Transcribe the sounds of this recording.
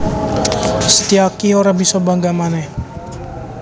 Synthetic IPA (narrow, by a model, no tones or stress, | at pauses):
sə̥t̪iakioɾabisɔbaŋɡamanɛh